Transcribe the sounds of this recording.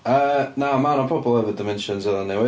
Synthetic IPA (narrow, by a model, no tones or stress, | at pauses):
ənaʊmãnəpʰɹ̥ɔbəblˠɛvədɪmɛ̃nʃə̃nzəðə̃nðɛwɪ